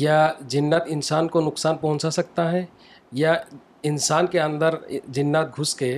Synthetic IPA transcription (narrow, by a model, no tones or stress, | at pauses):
jad͡ʒɪnːət̪ɪnsaːnkonʊksaːnpɐɦʊ̃t͡ʃasɐk̚t̪aɦɛ̃ | ja | ɪnsaːnkeə̃nd̪əɾd͡ʒɪnːət̪̚ɡʱʊske